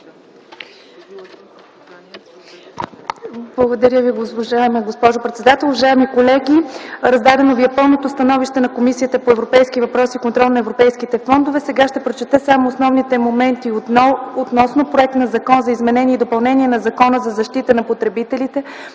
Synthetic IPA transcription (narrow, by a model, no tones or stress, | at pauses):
blˠɐɡod̪ɐɾʲjəviɡoʒaɛmɡospɔʒopɾɛt̪sɛd̪at̪ɛlˠʊvɐʒaɛmikolɛɡʲiɾɐzd̪ad̪ɛnoviɛpɤlˠnot̪ost̪ɐnɔviʃt̪ɛnɐkomisiət̪əpoɛvɾopɛjskivɐpɾɔsiːkont̪ɾɔlˠnɐɛvɾopɛjskit̪ɛfɔnd̪ovɛsɛɡaʃt̪ɛpɾot͡ʃɛt̪ɛsamoːsnɔvnit̪ɛmomɛnt̪iot̪nɔsnopɾoɛk̚t̪nɐzɐkɔnzɐizmɛnɛniɛid̪opɐlˠnɛnʲiɛnɐzɐkɔnəzɐzɐʃt̪it̪ənɐpot̪ɾɛbit̪ɛlit̪ɛ